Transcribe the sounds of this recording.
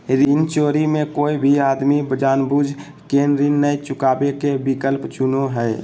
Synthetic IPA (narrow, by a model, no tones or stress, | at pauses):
ɾint͡ʃoːɾimẽkoːibʱiaːd̪mibəd͡ʒaːnbuːd͡ʒ | keːnɾinːəjt͡ʃʊkaːbekebɪkəlpt͡ʃʊnoɦɛː